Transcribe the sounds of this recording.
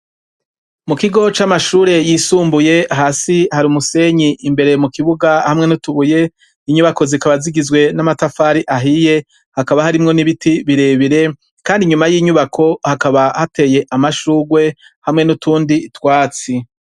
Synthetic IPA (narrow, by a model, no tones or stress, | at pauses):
mukiɡo̞t͡ʃamaʃuːɾe̞jiːsuːmbuje̞aɦasihaɾumuse̞ɲiʔimbe̞ɾemukiβuɡahamŋe̞nutuβuje̞ | iɲuβako̞zikaβaziɡizɡwe̞namatafaɾiʔaɦije̞ | hakaβahaɾimŋo̞niβitiβiɾe̞βiɾe̞ | kaːndiɲumajiːɲuβakʰo̞hakaβahate̞je̞ʔamaʃuːɡwe̞ | hamŋe̞nutuːnditwaːt͡si